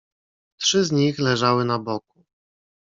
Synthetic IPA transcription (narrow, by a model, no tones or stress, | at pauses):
tʂɘzɲixlɛʐawɘnabɔku̥